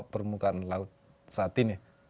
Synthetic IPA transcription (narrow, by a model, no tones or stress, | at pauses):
ʔpərmukaʔnlaʊt̪̚ | sat̪ine